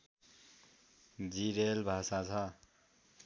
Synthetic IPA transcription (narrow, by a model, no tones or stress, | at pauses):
d͡ziɾelbʱasat͡sʰʌ